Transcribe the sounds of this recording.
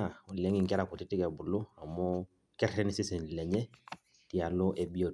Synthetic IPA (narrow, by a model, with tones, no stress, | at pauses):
a˨ɔ˨lɛ˨˦ŋɪ˨ŋ˨kɛ˦ɾa˨kɔ˨tɪ˦tɪ˦kɛ˨bʊ˨lʊ˦a˨mɔ˦ | kɛ˦ɾɾɛ˦nɪ˦sɪ˦sɛ˨n˨lɛ˨ɲɛ˦ | ti˨a˨lɔ˦ʔɛ˨bi˦o˨